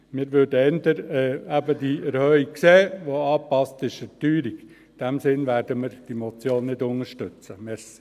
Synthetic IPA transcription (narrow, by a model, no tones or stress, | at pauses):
mɪːɾʋøɾdəɛnd̪əɾɛæbədiɛɾhœikkseːʋoɑːpɑstɪʃətyːɾiɡ | d̥ɛmsɪnʋæɾd̥əmɪɾd̥imot͡sjoːnnɪdʊŋəɾʃtʏt͡səmɛɾsi̥